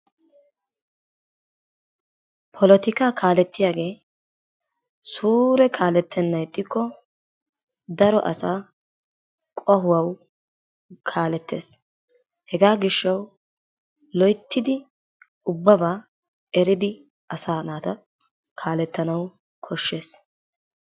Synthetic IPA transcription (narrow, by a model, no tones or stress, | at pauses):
pʰɔlɔt̪ɪkaːkʰaːlɛt̪ːɪjaːɡe̞ː | suːɾɛkʰaːlɛt̪ʰːɛnːɐjt̪ʼːɪkːɔ | d̪ɐɾɔʔɐ̰saː | kʼɔɦʊwɐw | kʰaːlɛt̪ːe̞̰ːs | hɛɡaːɡɪʃːɐw | lɔjt̪ʰːɪd̪ɪ | ʊbːɐbaː | ɛɾɪd̪ɪ | ɐsaːnaːt̪ɐ | kʰaːlɛt̪ːɐnɐw | kʰɔʃːe̞ːs